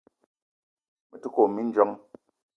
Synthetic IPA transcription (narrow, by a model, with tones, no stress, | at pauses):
mə˨tu˦ko˨mi˦n̩˦d͡ʒɔ˦ŋ